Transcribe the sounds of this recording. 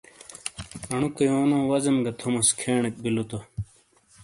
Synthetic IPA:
ɐɳukɐjoːnãːwɐzɐmɡɐt̪ʰomɐskʰeːɳek̚bilot̪o

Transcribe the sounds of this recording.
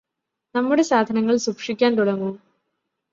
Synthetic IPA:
nɐmːuɽe̞saːd̪ʱɐnɐŋːɐɭsukʂikʲːaːnt̪uɽɐŋːu

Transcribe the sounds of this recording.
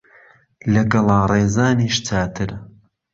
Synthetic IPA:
lɐɡɐlˠaːreːzaːniːʃt͡saːt̪ʰɨɾ

